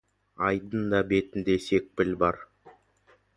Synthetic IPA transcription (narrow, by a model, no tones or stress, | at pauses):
ɑjd̪ənd̪ɑbe̞t̪ɪnd̪e̞se̞k̚pɪlbɑɾ